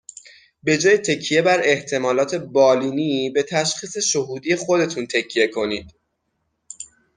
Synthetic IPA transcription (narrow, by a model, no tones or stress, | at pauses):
be̞d͡ʒɒːjet̪ʰe̞cʰːije̞bæɾe̞ht̪ʰe̞mɒːlɒːt̪ʰe̞bɒːliːnibe̞t̪ʰæʃxiːse̞ʃohuːd̪iːjexo̞d̪e̞t̪ʰunt̪ʰe̞cʰːije̞kʰo̞niːd̪̥